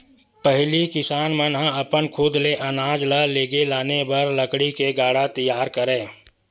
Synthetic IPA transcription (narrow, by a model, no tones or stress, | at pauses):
pəɦlikɪsaːnmə̃nɦãɐpənkʰʊd̪leʔɐnaːd͡ʒləleːɡelaːnebɐɾləkɽikeɡaːɽat̪əjaːɾkəɾẽː